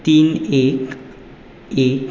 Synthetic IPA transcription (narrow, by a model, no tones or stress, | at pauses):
t̪inek | ek